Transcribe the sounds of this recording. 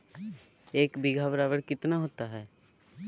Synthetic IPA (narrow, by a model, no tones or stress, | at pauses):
eːkbɪɡʱaːʋɾaːʋəɽkɪt̪naɦoːt̪aɦɛː